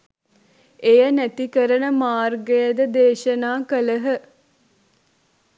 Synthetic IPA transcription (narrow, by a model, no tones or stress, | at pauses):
ejənæt̪ikəɾənəmaːrɡejəd̪əd̪eːʃənaːkələɦə